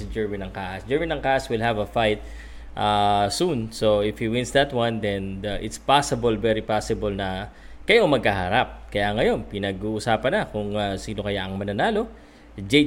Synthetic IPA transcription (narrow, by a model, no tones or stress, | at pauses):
sɐd͡ʒɛɹmɪnɐŋkaːʔɐsd͡ʒɛɹmɪnɐŋkaʔɐswɪlɦɐvɐfajt̪̚ | ʔasunsoʔɪfhiwɪ̃nsd̪ɐt̪wɐ̃nd̪ɛnɐʔɪt̪spasɪbolvɛɾipasɪbolnɐ | kɐjoʔŋmɐɡ̚kahɐɾap̚kɐjaŋɐjo̞npɪnɐɡuːʔʊsaːpɐnɐkʊŋɐsiːno̞kɐjaʔɐŋmɐnɐnaːlo̞ | d͡ʒe